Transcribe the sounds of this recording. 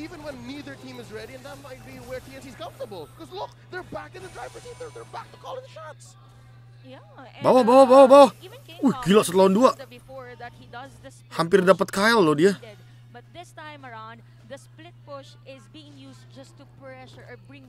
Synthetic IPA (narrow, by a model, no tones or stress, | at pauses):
ivə̃nwə̃nːiðə˞tʰĩmɨzɹɛɾiɨ̃nðət̚maɪt̚b̥iwɛɹtʰiɛ̃siz̥kʌ̃ɱftəbəl̩ˠkʰɔzlʊk̚ | ðə˞bækɨ̃nðədɹaɪvə˞siðə˞ðə˞bæk̚təkʰɔlˠɪ̃ŋðəʃɔɹts | ja | bawabawabawabawaojɡilaʔsət̪lahanduaʔbfɔɹðət̪̚hidz | hampɪrdapət̪̚kajɛlːodia | bʌt̪̚ðɪstãɪ̃məɹãn | ðəsplɪt̪̚pʊʃ | ɪzbiɪ̃ŋjusd͡ʒʌst̪upɹɛʃə˞ɔbɹɪ̃ŋ